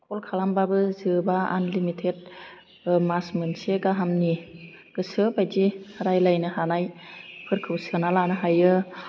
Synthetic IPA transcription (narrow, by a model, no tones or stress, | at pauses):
kʰɔlkʰalambabɯzɯbaa̰nlimitʰed̚ | masmɯnseɡaɦamni | ɡ̥ɯsɯbajd͡ʒiɾajlajnɯhanajpʰɯɾkʰɯwsɯnalanɯɦajɯ